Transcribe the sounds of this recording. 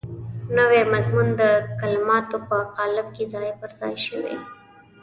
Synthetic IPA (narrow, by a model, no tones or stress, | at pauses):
nəwemazmund̪əkalmɑt̪opəaqɑlɪb̚kezɑjpəɾz̥ɑ̰jʃəwḛ